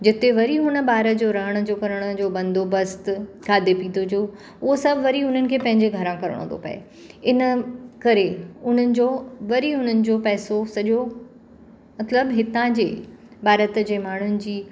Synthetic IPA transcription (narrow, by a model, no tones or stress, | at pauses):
d͡ʑɪt̪eʋɐɾiɦʊnə̆baːɾəd͡ʑoːɾɐɦəɽ̃ə̆d͡ʑoːkɐɾəɽ̃ə̆d͡ʑoːbɐ̃nd̪obəst̪kaːd̪epiːnd̪od͡ʑoː | ʊɦosɐbʱʋɐɾiʊn̤ənɪ̆kʰeːpɐ̃ɦɪ̃ɲd͡ʑeɡʱɐɾãkɐɾə̰ɽ̃õ̰nd̪o̰pɐ̰ḛ | ɪnəkɐɾeʊn̤ənɪ̆d͡ʑoːʋɐɾiɦʊn̤ənɪ̆d͡ʑopɛːsosɐʄo | mɐt̪ləbɦɪt̪ãd͡ʑḛːbaːɾət̪d͡ʑeːmaːɳ̤ʊnɪ̆d͡ʑiː